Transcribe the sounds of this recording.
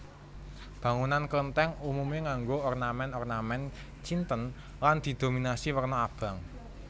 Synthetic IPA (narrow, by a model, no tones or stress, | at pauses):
b̥a̤ŋunankələnt̪ɛŋumumeŋaŋɡoɔrnamɛnɔrnamɛn | t͡ʃint̪ən | land̪̥i̤d̪̥o̤minasiwərnɔab̥a̤ŋ